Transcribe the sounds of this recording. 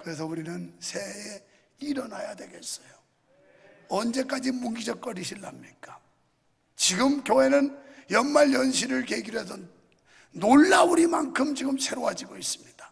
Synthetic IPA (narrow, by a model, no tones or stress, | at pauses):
kɯɾe̞s̬ʰʌuɾinɯnsʰe̞e | iɾʌnajadwe̞ɡe̞s͈ʌjo | ʌnd͡ʑe̞k͈ad͡ʑimuŋɡid͡ʑʌk̚k͈ʌɾiɕʰiɭːamɲik͈a | t͡ɕiɡɯmkjoɦe̞nɯnjʌnmaɭjʌnɕ̬ʰiɾɯɭkeɡiɾɦes̬ʰʌ | noɭːauɾimankʰɯmt͡ɕiɡɯmsʰe̞ɾoɦad͡ʑiɡois͈ɯmɲid̥ḁ